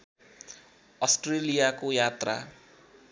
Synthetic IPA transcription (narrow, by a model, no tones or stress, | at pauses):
ʌsʈrelijakojat̪ra̰